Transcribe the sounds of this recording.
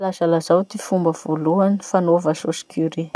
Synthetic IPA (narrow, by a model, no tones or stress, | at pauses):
lasalazawt̪ifumbəv̥oluanifanovasosi̥kʰuɾi